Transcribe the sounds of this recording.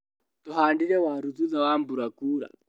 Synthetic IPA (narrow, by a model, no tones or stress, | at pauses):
t̪uɦandiɾɛwaɾud͡zuzawambuɾakuːɾa̰